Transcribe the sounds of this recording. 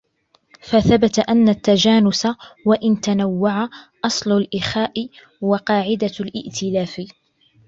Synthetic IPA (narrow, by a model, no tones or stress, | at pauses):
faθabat̪aʔanːat̪ːad͡ʒaːnʊsawaʔɪnt̪anawːaʕaʔɑsˤlʊlʔɪxaːʔɪ | wɑqɑːʕɪd̪alʔɪ̰ʔt̪ʰɪlaːfɪ